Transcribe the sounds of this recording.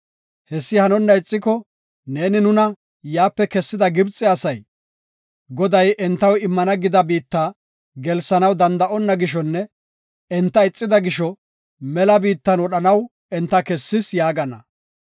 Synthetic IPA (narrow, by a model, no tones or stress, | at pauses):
hɛsːɪhɐnɔnːɐɪt͡sʼːɪkɔ | ne̞ːnɪnʊnɐ | jaːpːɛkɛsːɪd̪ɐɡɪbt͡sʼɪɐsɐj | ɡɔd̪ɐjʔɛnt̪ːɐwɪmːɐnɐɡɪd̪ɐbiːt̪ːa | ɡɛlsɐnɐwd̪ɐnd̪ɐʔɔnːɐɡɪʃ̬ɔnːɛ | ɛnt̪ːɐɪt͡sʼːɪd̪ɐɡɪʃɔ | mɛlɐbiːt̪ːɐnwɔɗɐnɐw | ɛnt̪ːɐkɛsːɪsjaːɡɐnːɐ̰